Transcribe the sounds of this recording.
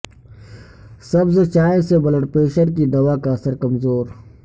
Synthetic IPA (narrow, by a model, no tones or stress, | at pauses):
sɐbzt͡ʃaːẽsebɐləʈpeːʃəɾkiːd̪ɐʋaːkaɐsəɾkɐmzoːɾ